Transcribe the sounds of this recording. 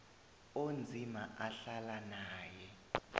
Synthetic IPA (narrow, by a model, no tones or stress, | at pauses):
ond͡zʱimaʔaɬalanaːjɛ